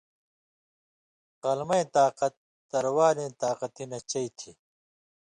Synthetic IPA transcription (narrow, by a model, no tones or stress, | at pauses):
qɐlmɐĩt̪aːqɐt̪ | d̪ɐɾwaːlẽːt̪aːqɐt̪inɐt͡ɕɐit̪ʰi